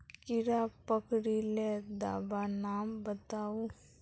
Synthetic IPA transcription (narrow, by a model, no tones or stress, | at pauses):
kɪɾapəkɽiled̪a̰ːbanaːmbət̪aːu